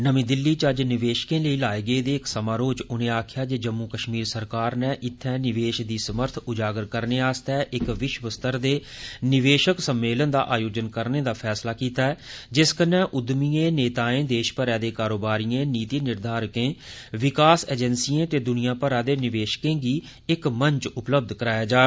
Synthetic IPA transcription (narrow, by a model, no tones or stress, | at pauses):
nəmĩːd̪ɪlːiːt͡ʃəd͡ʒnɪʋeːʃkẽːləiːlaːeːɡəeːd̪eːɪksəmãːɾoːd͡ʒʊnẽːaːkʰɪjaːd͡ʒeːd͡ʒəmːuːkəʃmiːɾsəɾkaːɾnɛ̃ːʔɪt̪ʰːɛ̃ːnɪʋeːʃ̚d̪iːsəməɾt̪ʰʊd͡ʒaːɡəɾkəɾneːaːst̪ɛːʔɪkʋɪʃʋəst̪əɾd̪eːnɪʋeːʃəksəmːeːlənd̪a̰ːʔaːjoːd͡ʒənkəɾneːd̪aːpʰɛːslaːkiːt̪aːɛːd͡ʒɪskənɛ̃ːʔʊd̪miːẽːneːt̪aːẽːd̪eːʃpəɾɛːd̪eːkaːɾoːbaːɾijẽːniːt̪iːnɪɾd̪ʱaːɾkẽːʋɪkaːseːd͡ʒɛnsijẽːt̪eːd̪ʊnɪijãːpəɾaːd̪eːnɪʋeːʃkẽːɡiː | ɪkməɲt͡ʃʊpləb̚d̪ʱkəɾaːjaːd͡ʒaː